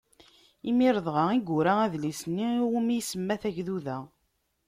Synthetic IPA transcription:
imiɾəðˤʁɑiɡuɾaæðlisənːiumijsəmːæθæçðuðæ

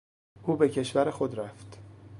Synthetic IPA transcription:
ʔuːbe̞cʰe̞ʃvæɾexod̪ɾæft̪

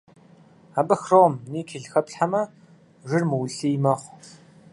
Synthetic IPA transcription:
abɐxroːmniːkʰiɮxɐpɬħamɐ | ʒɪrmɨwɬiːjmɐχʷ

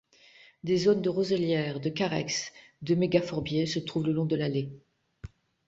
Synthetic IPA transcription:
d̪ezond̪əʁozəljɛːʁd̪əkaʁɛ̰ksd̪əmeɡafɔʁbjesət̪χuvləlɔ̃d̪əlale

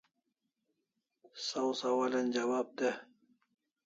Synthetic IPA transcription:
sɐwsɐwalɐnd͡ʑɐwaːb̚t̪e

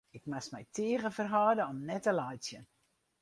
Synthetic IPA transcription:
ɪkmasmɛjtʰeəɣəfərɦɔːdəɔmnɛtəlajsjən

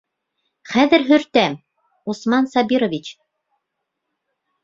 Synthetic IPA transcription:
χæðɘ̆ɾɦɵ̆ɾt̪æm | usmɑnsɑbiɾŏvʲit͡ɕ

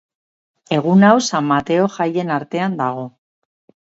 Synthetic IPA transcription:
e̞ɣ̞unawsamːat̪e̞o̞ʝaje̞naɾt̪e̞and̪aɣ̞o̞

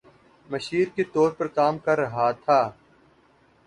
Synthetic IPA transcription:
mɐʃiːɾket̪ɔːɾpɐɾkaːmkɐɾːɐɦat̪ʰaː

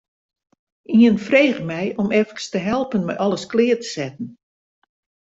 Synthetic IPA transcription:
iənfreːɣəmɛjɔmɛfkə̥stəɦɛlˠpənmɛ̰jʔɔləsklɪːərtə̥sɛtən̩

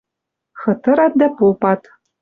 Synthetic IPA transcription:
xɤ̆t̪ɤ̆ɾɑt̪̚d̪æpopɑt̪

